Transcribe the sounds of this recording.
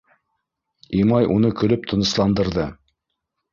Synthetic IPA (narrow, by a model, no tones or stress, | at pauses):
imɑjunɤkɵ̆lɵp̚t̪ʰɤ̆nɤ̆slˠɑnd̪ɤ̆ɾðɤ